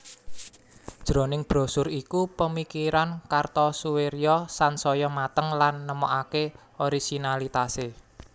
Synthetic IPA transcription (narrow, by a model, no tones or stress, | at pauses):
d̥ʒ̥ɾo̤nɪŋb̥ɾo̤sʊɾikupəmikiɾankart̪ɔsuweɾjɔsansɔjɔmat̪əŋlanːəmoʔake | oɾisinalit̪ase